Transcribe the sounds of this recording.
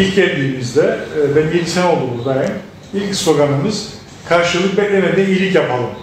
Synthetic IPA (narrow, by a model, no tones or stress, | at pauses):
ilʲcɛɾd̪ʲiːmizd̪ɛvɛbiɾʲt̪ʰæno̞lˠd̪umuzd̪ajɛn | ilʲcso̞ɡanɯmɯz̥ | kʰaɾʃɯllˠɯk̚bɛt̪lʲemed̪ɛnilʲicjapalˠɯm